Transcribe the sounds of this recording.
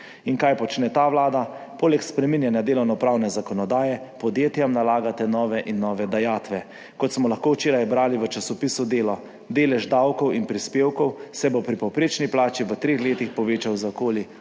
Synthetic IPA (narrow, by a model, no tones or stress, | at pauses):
inkajpɔt͡ʃnɛt̪aːʋlaːd̪apoːlɛkspɾɛminjanjad̪eːlɔwnɔpɾawnɛzakɔnɔd̪aːjɛpɔd̪jeːt̪jamnalaːɡat̪ɛnɔːʋɛʔinːɔʋɛd̪ajaːt̪ʋɛ | kɔt̪smɔlaxkoːwt͡ʃeːɾajbɾaːliʋət͡ʃasɔpiːsud̪eːlɔ | d̪eːlɛʒd̪awkɔwinpɾispeːwkɔwsɛbopɾipɔwpɾeːt͡ʃniplaːt͡ʃiʋət̪ɾeːxleːt̪ixpɔʋeːt͡ʃawzakoːli